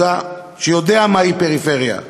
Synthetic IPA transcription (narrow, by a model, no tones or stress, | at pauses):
a | ʃejod̪eamaipeʁifeʁja̰